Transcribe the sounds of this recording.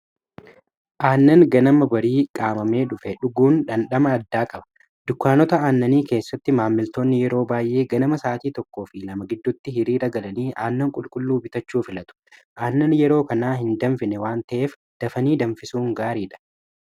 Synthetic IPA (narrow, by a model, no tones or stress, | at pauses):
ʔaːnːɐŋɡɐnɐmɐbɐɾiːkʼaːmɐme̞ːᶑʊfɛᶑʊɡuːnᶑɐnɗɐmɐːd̪ːaːkʼɐbɐ̥ | d̪̥ʊkːaːnɔt̪ɐaːnːɐniːke̞ːsːɐt̪ːɪmaːmːɪlt̪o̞ːnːɪjɛɾo̞ːbaːjʔe̞ːɡɐnɐmɐsaːt̪iːt̪ɔkːo̞ːfɪnɐmɐɡɪd̪ːʊt̪ːɪɦɪɾiːɾɐɡɐlɐniːʔaːnːɐŋkʼʊlkʼʊlːuːbɪt̪ɐt͡ʃːuːfɪlɐt̪ʊ̥ʔaːnːɐnjɛɾo̞ːkɐnaːɦɪnd̪ɐnfɪnɛwaːnt̪ɐʔe̞ːf | d̪̥ɐfɐniːd̪ɐɱfɪsuːŋɡaːɾiːᶑɐ̥